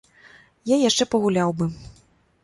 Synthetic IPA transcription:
jajaʂt͡ʂɛpɐɣulʲawbɨ

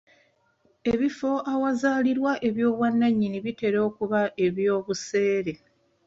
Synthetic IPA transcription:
e̞βifo̞ʔawazaːliɾwaʔe̞βjo̞ːβwanːaɲːiniβite̞ɾo̞ːkuβaʔe̞βjo̞ːβuse̞ːɾe̞

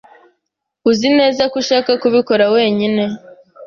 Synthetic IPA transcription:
uzine̞ːzakuʃaːkakuβiko̞ɾawe̞ːɲine̞

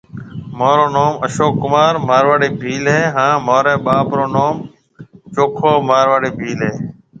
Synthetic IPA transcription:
moːɾoːnoːməʃoːkːʊmaːɾmaːɾʋaːɽeːbʱiːlɦeːɦãːmoːɾẽːɓaːpɾoːnoːm | t͡ʃoːkʰoːmaːɾʋaːɽeːbʱiːlɦeː

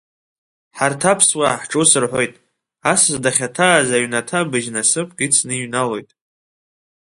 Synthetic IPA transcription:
ħartʰapʰswaħʈ͡ʂʼusɨrħʷo̞jtʼ | asɨzdaχʲatʰaːzaɥnatʰabɨʒnasɨpʰʼkʼit͡sʰnɨɥnalo̞jtʼ

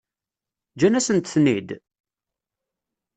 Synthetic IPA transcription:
d͡ʒænæsənt̪θnid̪

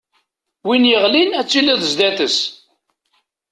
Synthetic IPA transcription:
winjəʁlinæt͡sːilæðəzd̪æθəs

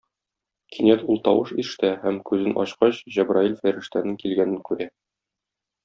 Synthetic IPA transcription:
kʰinæt̪ulˠt̪ɒwɤʃiʃt̪æhæmkʉzɘnʔɒ̰ɕqɑɕʑæbrailfæɾɘ̆ʃt̪ænɘŋkilɡænɘnkʉɾæ

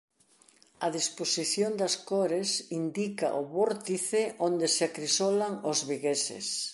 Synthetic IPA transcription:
ɐðisposiθjond̪ɐskoɾesind̪ika̰ʔʊβoɾt̪iθɪʔond̪eseakɾisolaŋʊzβiɣesɪ̰s

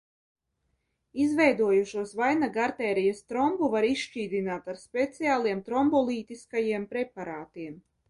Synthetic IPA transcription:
izvɛjd̪uɔjuʃuɔsvajnaɡaɾt̪ɛːɾijast̪ɾɔmbuvaɾiʃʃt͡ʃiːd̪inaːt̪aɾspʲɛt̪siaːlˠiɛmt̪ɾɔmbɔlˠiːt̪iskajiɛmpɾɛpaɾaːt̪iɛm

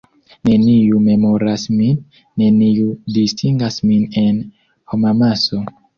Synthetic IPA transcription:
ne̞niume̞moɾasminː | e̞niudistʰiŋɡasmine̞n | homamaso

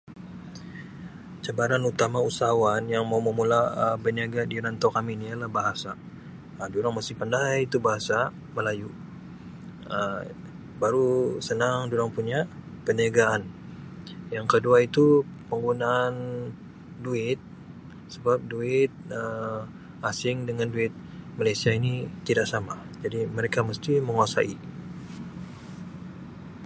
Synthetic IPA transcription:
t͡ʃabaɾanut̪amausawanjaŋmauməmulaəbəniaɡadiɾant̪okaminialahbaɦasa | əduɾaŋmasɪhpandajit̪ubaɦasa | məlaju | ə | baɾusənaŋduɾaŋpuɲa | pəniaɡaʔːn | jaŋkəduait̪upəŋɡunaːn | duɪt̪̚ | səbap̚duɪt̪̚ə | asɪŋdəŋanduɪt̪̚ | malajsiainit̪idaʔsamad͡ʒadiməɾekaməst̪iməŋuasa̰i

